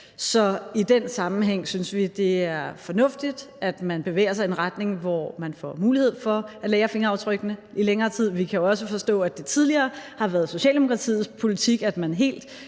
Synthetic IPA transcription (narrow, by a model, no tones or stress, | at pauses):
sɒ̽id̥ensɑ̈mn̩ɦeŋ̰synsʋid̥e̝æɐfɒ̽nɔ̽fd̥id̥æd̥mænb̥e̝ʋḛːɐs̬ɑ̈ɪenʁɑd̥ne̝ŋʋɒmænfɒ̰muːlihe̝ð̞̰ˠfɒ̽ʔæ̥leːɐfe̝ŋɐɑ̈ʊt͡sʰʁœɡ̥ənə | ileŋɐːt͡sʰið̞̰ˠʋikʰæjo̝ɒ̽s̬əfɒ̽sd̥ɔ̰̽ːæd̥e̝t͡sʰið̞ˠliɐːhɑ̈ʋæɐð̞̩ˠso̝ɕɛ̰ːld̥emo̝kʰʁɑ̈t͡sʰḭːð̩ˠpʰo̝lit͡sʰiɡ̥æd̥mænɦe̝̰ːld̥